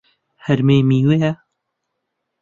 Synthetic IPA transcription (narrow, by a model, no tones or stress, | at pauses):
hɐɾmeːmiːweːjɛ